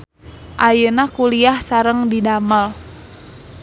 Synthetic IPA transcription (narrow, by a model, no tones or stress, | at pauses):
ʔajənakuliahsaɾəŋdidaməl